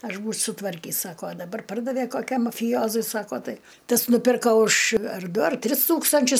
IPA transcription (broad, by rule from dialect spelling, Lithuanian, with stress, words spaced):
ˈɐʃ buːt͡ʃʲ sʊtˈʋɐrʲkʲiːs ˈsɑːkoː ɐ dɐˈbɐr ˈpɐrdɐʋʲɛ koːˈkʲɛm mɐfʲɪˈjoːzʊɪ ˈsɑːkoː ˈtɐɪ ˈtɐs nʊˈpʲɪrkɐ ʊʃ ɐr ˈdʊ ɐr ˈtʲrʲɪs ˈtuːkstɐnʲt͡ʃʲʊs